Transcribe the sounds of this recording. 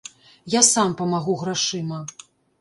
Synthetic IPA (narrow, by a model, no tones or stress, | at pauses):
jasampɐmaɣuɣɾaʂɨmɐ